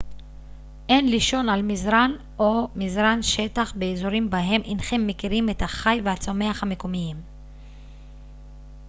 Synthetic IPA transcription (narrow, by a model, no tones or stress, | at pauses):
ʔe̞nliʃo̞nalmizʁan | o̞mizʁanʃe̞t̪aχbeːzoʁimbaɦe̞mʔinχemːekiʁimet̪haχajvehat͡so̞me̞aχhamekomijim